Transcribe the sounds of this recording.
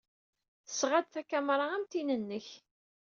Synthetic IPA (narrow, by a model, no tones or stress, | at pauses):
θə̥sʁad̪θækæmɾˤɑæmt̪inənːəç